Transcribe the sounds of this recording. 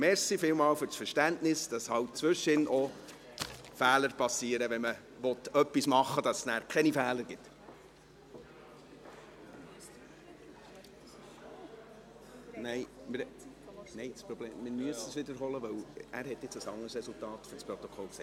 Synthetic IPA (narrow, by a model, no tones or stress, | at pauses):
mɛɾsifɪlmɑːwfʏɾsfəɾʃtæntnɪsd̥ɑshɑwt̚t͡sʋʏʃɪnʔɔ | fæːləɾpɑsiːəɾəʋɛnmə | ʋɔt̪œpːismɑχːəd̥ɑsnæːɾkʰɛnifæːləɾɡ̥ɪt̪ | nɛɪmɪɾ | nɛɪspɾɔbleːmmɪmyəsəsʋɪdəɾɦɔləʋœwʔæ̰ːɾɦɛtjɪt͡səsɑ̰ŋəɾsɾɛsultɑːtføspɾɔt̪ɔkʰɔlksɛ